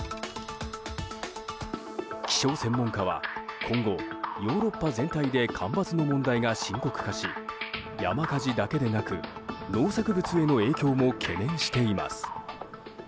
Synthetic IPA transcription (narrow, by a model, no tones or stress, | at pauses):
kʲi̥ɕo̞ːsẽ̞mːõ̞ŋkaβa̰kʰõ̞ŋɡo̞jo̞ːɾo̞pːazẽ̞nt̪aid̪e̞kʰãmbat͡sɨno̞mõ̞nd̪aiɡaɕĩŋko̞kɯ̟̥kaɕi | ja̰makaʑid̪ake̞d̪e̞nakɯ̟no̞ːsakɯ̟bɯ̟t͡sɨe̞no̞e̞ːkʲo̞ːmo̞kʰe̞nẽ̞ɰ̃ɕi̥t̪e̞ima̰sɨ̥